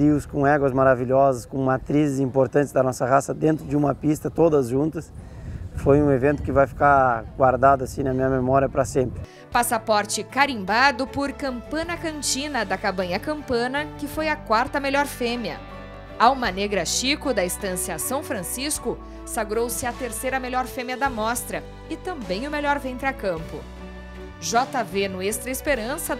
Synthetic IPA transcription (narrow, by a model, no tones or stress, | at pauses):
iwskõɛɡwɐzmaɾaviʎɔzɐskõmat̪ɾizɪzĩmpoɾt̪ɐ̃ntt͡ʃɪzd̪ɐnɔsɐhasɐd̪ẽnt̪ɾʊd͡ʒɪũmɐpist̪ɐt̪od̪ɐzʒũnt̪ɐs | fojũevẽnt̪ʊ̥kɪvajfi̥kaɡwaɾd̪ad̪ʊasĩnɐmĩɲɐmemɔɾiɐpɾɐsẽmpɾɪ | pasapɔɾt͡ʃɪkaɾĩmbad̪ʊpʊɾkɐ̃mpɐ̃nɐkɐ̃nt͡ʃĩnɐd̪ɐkabɐ̃ɲɐkɐ̃mpɐ̃nɐkɪfojɐkwaɾt̪ɐmeʎɔɾfẽmjɐ̰ | awmɐneɡɾɐʃikʊd̪ɐist̪ɐ̃sjɐsɐ̃w̃fɾɐ̃siskʊ | saɡɾowsɪɐt̪eɾsejɾɐmeʎɔɾfẽmjɐd̪ɐmɔst̪ɾɐ | ɪt̪ɐ̃mbẽj̃ʊmeʎɔɾvẽnt̪ɾɪɐkɐ̃mpʊ̰ | ʒɔt̪ɐvenʊest̪ɾɐɪspeɾɐ̃sɐ